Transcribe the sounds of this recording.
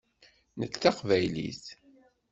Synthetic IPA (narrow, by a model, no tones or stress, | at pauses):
nət͡sːθɑqvæjlḭθ